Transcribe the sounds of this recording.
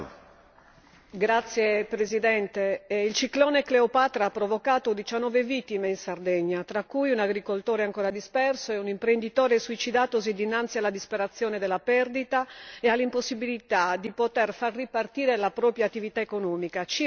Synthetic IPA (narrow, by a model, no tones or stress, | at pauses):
ɡɾat̪sːjepɾezid̪ɛnt̪eilt͡ʃiklɔːnekleopat̪ɾaapːɾovokaːt̪od̪it͡ʃanːɔːvevit̪ːimeinsard̪ɛɲːat̪ɾakːujunaɡɾikolt̪oːɾeaŋkɔːɾad̪ispɛrsoɛunimpɾend̪it̪ɔːɾesuit͡ʃid̪aːt̪osid̪inːant̪sialad̪ispeɾat̪sːjɔːned̪ɛlːapɛrd̪it̪aealːimposːibilit̪ad̪ipot̪ɛrfarːipart̪iːɾelapɾɔːpɾjat̪ːivit̪aekonɔːmikat͡ʃi